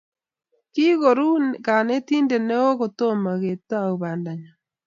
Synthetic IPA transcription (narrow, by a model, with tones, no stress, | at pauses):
ki˦ɣo˨ɾu˦ka˨ne˦tiː˦nde˨ne˦o˦ɣo˨to˦ma˨ɣe˨ta˦˨u˨βa˨nda˨ɲa˨